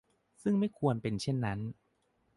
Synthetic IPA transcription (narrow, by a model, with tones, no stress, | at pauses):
sɯ˥˩ŋma˥˩jkʰu˧ənpe˧nt͡ɕʰe˥˩nːa˦˥n